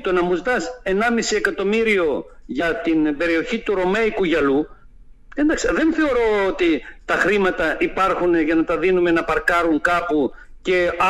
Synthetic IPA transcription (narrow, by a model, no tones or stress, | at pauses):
t̪o̞nɐmuzd̪ɐse̞nɐmisiekɐt̪o̞miɾio̞ | ʝɐt̪inbe̞ɾio̞çit̪uɾo̞meikuʝɐlu | end̪ɐkseðe̞nθe̞o̞ɾo̞ot̪it̪ɐxɾimɐt̪ɐʔipɐɾxuneʝɐnɐt̪ɐðinume̞nɐpɐɾkɐɾuŋkɐpuce̞ɐ